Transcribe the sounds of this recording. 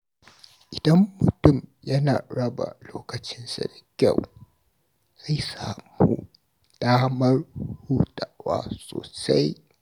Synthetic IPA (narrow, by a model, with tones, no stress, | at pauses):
ʔɪ˨d̥ɐ˦mːʊ˨tʊ˦˨mjɐ˦naː˨ɽɐ˦ba̰˨loː˦kɐ˨t͡ʃɪ˦nsa̰˨da˨kʲa˦˨w | z̥a˦˨jsaː˨mu˦ | d̥aː˦mɐ˦rhuː˦tʼa˨wa̰ː˦so̰ː˨sa̰˦j